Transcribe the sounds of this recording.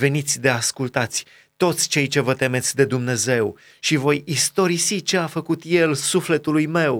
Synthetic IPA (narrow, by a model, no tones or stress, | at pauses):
ve̞nit̪sʲd̪e̞askult̪at̪sʲ | t̪o̞t̪sʲt͡ʃe̞jt͡ʃe̞vət̪e̞me̞t̪sʲd̪e̞d̪umne̞ze̞w | ʃivo̞jist̪o̞ɾisit͡ʃe̞afəkut̪je̞lsufle̞t̪ulujme̞w